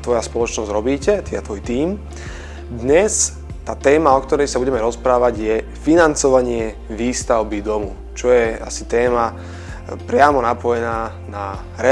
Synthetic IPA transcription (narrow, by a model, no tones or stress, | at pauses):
t̪ʋɔjaspɔlɔt͡ʃnɔzɟɾɔbiːcɛt̪iat̪ʋɔjt̪iːm | d̪ɲɛs | t̪aːt̪ɛːmaɔkt̪ɔɾɛjsabuɟɛmɛɾɔspɾaːʋaɟjɛ | finant͡sɔʋaɲɪɛ | ʋiːst̪aʊbid̪ɔmṵ | t͡ʃɔjɛa̰sit̪ɛːma | pɾɪamɔnapɔjɛnaː | na | ɾɛ